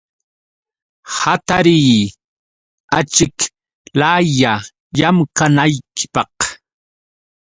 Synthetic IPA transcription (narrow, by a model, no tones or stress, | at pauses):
hat̪aɾij | at͡ʃɪk | laja | jamkanajkɪ̥pɑq